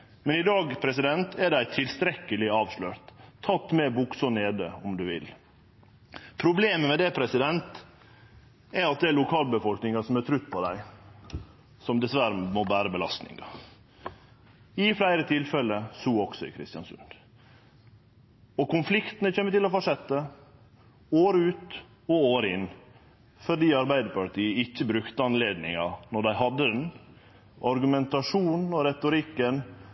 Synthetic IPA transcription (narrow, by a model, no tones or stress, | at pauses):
mɛnɪd̪ɑːɡpʰɾɛs̬ɪd̪ɛnt̪ʰæɖæɪt̪ʰɪlst̪ɾɛkːəlɪɑːʋʂløːɾt̪ʰːɑt̪ːmɛbʊksɔneːd̪ə̰ɔmd̪ʉʋɪ̰l | pʰɾʊbleːməmɛd̪ɛpʰɾɛsɪd̪ɛnt̪ | ɛɾɑt̪̚d̪ɛæɭʊkʰɑːlbəfɔlknɪŋɑsɔmæt̪ʰɾʉt̪ːpʰɔd̪æ̰ɪ | sɔmd̪ɛsʋæɾmɔbæːɾəbəlɑ̰st̪nɪ̰ŋɑ̰ | ɪflæɪɾət̪ʰɪlfɛlːəsuːɔɡsɔɪ̰kʰɾɪ̰st̪jɑnsʉ̰nd̪̥ | ɔkʊnflɪkt̪ənəçeːmət̪ɪlɔfɔʂɛt̪ːə | oːɾəʉːt̪ | ɔoːɾəɪnː | fɔɖiːɑɾbæɪd̪əpɑʈiːəɪçːəbɾʉkt̪əɑnleːd̪nɪ̰ŋɑnɔɖæɪɦɑd̪ːəɛn | ʔɑɾɡʉmɛnt̪ɑʂuːnn̩ɔɾɛt̪ʊɾɪkːən